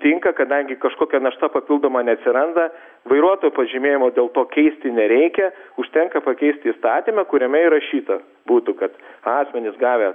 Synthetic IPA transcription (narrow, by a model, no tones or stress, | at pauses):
t̪ʲɪŋkɐkɐd̪ɐŋʲɡʲɪkɐʃkoːkʲɛnɐʃt̪ɐpɐpʲɪlˠd̪oːmɐnʲɛɐt̪ʲsʲɪɾɐnd̪ɐ | ʋɐɪɾuɔt̪oːjʊpɐʒʲɪmʲeːjɪmoːd̪ʲeːlˠt̪oːkʲɛɪsʲt̪ʲɪnʲɛɾʲɛɪkʲɛʊʃʲt̪ʲɛŋkɐpɐkʲɛɪsʲt̪ʲɪiːst̪ɑːt̪ʲimɐkʊɾʲɛmʲɛɪɾɐʃʲiːt̪ɐ | buːt̪ʊkɐt̪ɑːsʲmʲɛnʲɪsɡɑːʋʲɛ